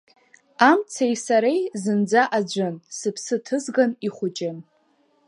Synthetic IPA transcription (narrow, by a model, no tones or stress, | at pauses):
amt͡sʰajsaɾejzɨnd͡zaʔad͡ʒʷɨnsɨpʰsɨtʰɨzɡaniχʷʊt͡ʃʼɪn